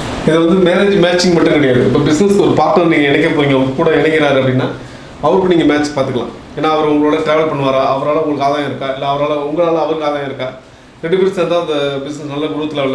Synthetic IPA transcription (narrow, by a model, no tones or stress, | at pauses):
ɪðɐʋɐnd̪ɯmeːɾed͡ʒmaːt͡ʃːɪŋɡmɐʈːɯ̃ŋkɛɽɛjaːðɯɪpːobɪsnɛskɯɔɾɯpaːɾʈɐɾniːŋɡɐɛɳɛkːɐp̬ːoːɪŋɡɐɐʋɐkːɯkːuːɽɐɛɳɛŋkːɡɪɾaːɾɯɐp̬ːɐɽɪnːaː | ɐʋɐɾɯkːɯniːŋɡɐmaːt͡ʃpaːɾt̪ɯkːɐɭã̰ː | eːnːaːɐʋɐɾʊŋɡɐɭoːɽɐʈɾeːʋɐɾpɐɳːɯʋaːɾaːʔɐʋɐɾaːlɐʊŋɡɐɭɯkːaːðajɐ̃ɪɾɯkːaːɪlːɐɐʋɐɾaːlɐʊŋɡɐɭaːlɐ̃ɐʋɐɾkaːðajɐ̃ɪɾɯkːaː | ɾɛɖɯpɪɾɪsɐnt̪ãːɐnd̪ɐbɪsnɛsnɐlːɐɡʊɯʋɐt̪ːɪlɐːʋɭː